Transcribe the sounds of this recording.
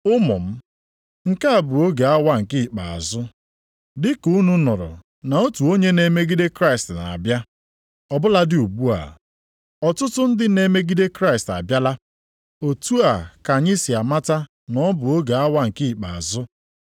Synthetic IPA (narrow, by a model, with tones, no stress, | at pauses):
ʊ˦mʊ̰˨m̩˦ | ŋ̩˨ka˦˨bʊ˨o˦ɡa˨a˦wa˦ŋ̩˨ki˦˨k͡pa˨a̰˨zʊ˦ | dɪ˦ku˦nu˦nɔ˨ɾʊ̰˨ | na˨o˦tu˨o˦ɲe˦ne˨me˦ɡi˦de˦kɾa˦ɪ˨stna̰˨a̰˨bja˦ | ɔ˨bʊ˦la˦dɪ˦˨u˨bu˦a̰˨ | ɔ˨tʊ˦tʊ˦n̩˦dɪ˦ne˦me˦ɡi˦de˦kɾa˦ɪ˨sta̰˨bja˦la˦ | o˨tu˦a˨ka˨ɲɪ˦si˨a˨ma˦ta˦ | nɔ˦bʊ˨o˦ɡa˨a˦wa˦ŋ̩˨ki˦˨k͡pa˨a˨zʊ˦